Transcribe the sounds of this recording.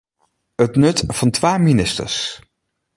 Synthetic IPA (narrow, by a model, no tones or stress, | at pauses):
ətnɵtv̥ɑntʋaːjminɪstə̰ɹs